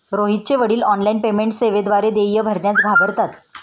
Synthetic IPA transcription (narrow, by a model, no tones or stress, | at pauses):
ɾoɦit̪̚t͡ɕeʋəɽiːlɔnlainpemeɳʈseʋed̪ʋaɾed̪ejəbʱəɾɳjat͡sɡʱabəɾt̪at̪